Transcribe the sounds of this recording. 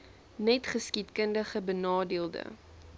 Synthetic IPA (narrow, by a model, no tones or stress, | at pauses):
nɛtχəskitkəndəχəbənɑːdiəlˠdə̰